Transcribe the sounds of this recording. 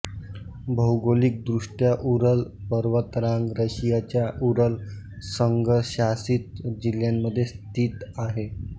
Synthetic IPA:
bʱəwɡolik̚d̪ɾuʂʈjaʔuɾəlpəɾʋət̪ɾãŋɡɾəɕijat͡ɕjaʔuɾəl | səŋɡəɕasiːt̪̚d͡ʑiljamːəd̪ʱːjest̪iːt̪aɦe

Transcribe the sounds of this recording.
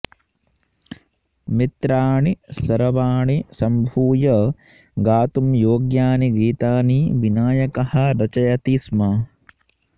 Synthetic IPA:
mit̪ɾaːɳisɐɾɐʋaːɳisɐmbʱuːjɐ | ɡaːt̪umjoːɡjaːniɡiːt̪aːniʋinaːjɐkɐhɐ̆ɾɐt͡ʃɐjɐt̪ismɐ

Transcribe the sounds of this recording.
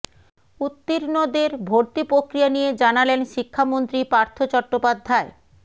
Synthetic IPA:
ut̪ːiɾnod̪eɾbʱoɾt̪ipɾokɾijanijed͡ʑanalenʃikʰːamont̪ɾipaɾt̪ʰot͡ɕɔɾʈːopad̪ʱːae

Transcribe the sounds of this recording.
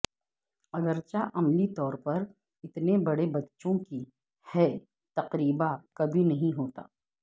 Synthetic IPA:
ɐɡəɾt͡ʃaʔɐmlit̪ɔːɾpɐɾ | ɪt̪nebɐɽebɐtːʃõki | hɛ | t̪ɐqɾiːbakɐbʱinɐɦĩɦoːt̪a̰ː

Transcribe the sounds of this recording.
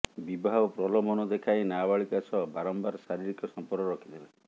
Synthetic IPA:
bibʱaɦɔpɾɔlɔmɔnɔd̪ekʰajnabaɭikasɔbaɾɔmbaɾsaɾiɾikɔsɔmpɔɾɡɔɾɔkʰid̪ela

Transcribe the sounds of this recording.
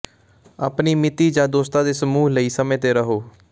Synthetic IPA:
aːpniːmɪt̪iːd͡ʒãːd̪oːst̪ãːd̪eːsəmuːɦləiːsəmẽːt̪eːɾəɦoː

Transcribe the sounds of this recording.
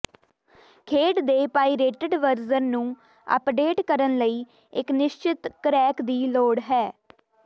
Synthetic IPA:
kʰeːʈd̪eːpaːiːɾeːʈəɖʋəɾzənnũː | ə̰pɖeːʈkəɾənləiː | ɪknɪʃt͡ʃɪt̪kɾɛːkd̪iːloːɽɦɛː

